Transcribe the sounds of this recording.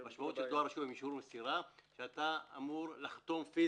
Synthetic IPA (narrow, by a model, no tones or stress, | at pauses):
maʃmaut̪ʃet̪oaɾaʃuvemiʃhuɾmesiɾaʃeat̪aa̰muɾlaχt̪o̞mfi